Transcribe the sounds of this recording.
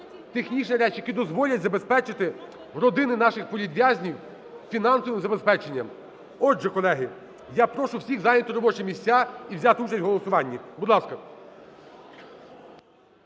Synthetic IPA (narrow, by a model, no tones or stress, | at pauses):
t̪exnʲit͡ʃnɐɾɛt͡ʃjɐkʲid̪ɔzʋɔlʲɐtʲzɐbespɛt͡ʃɪt̪ɪ | rɔd̪ɪnɪnɑʃɪxpɔlʲid̪ʲʋjazʲnʲiw | fʲinɑnsɔʋɪmzɐbespɛt͡ʃenʲːɐ̰m | ɔdʒɛkɔlˠɛɦɪ | japɾɔʃʊwsʲiɣzɑjnʲɐt̪ʊɾɔbɔt͡ʃɛmʲisʲt͡sʲːaiwzʲat̪ɪut͡ʃɐsʲtʲɦɔlˠɔsʊʋɑnʲːibʊd̪lˠɑskɐ